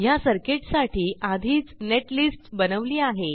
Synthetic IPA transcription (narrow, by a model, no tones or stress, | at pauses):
jasəɾkeʈsaʈʰiːʔad̪ʱiːt͡sneʈlisʈbənəʋliːaɦe